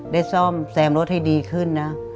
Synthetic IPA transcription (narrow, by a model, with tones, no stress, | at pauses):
daː˥˩jsɔː˥˩msɛː˨˩˦mɾo˦˥t̪̚ha˥˩jdiː˧kʰɯ˥˩nːa˦˥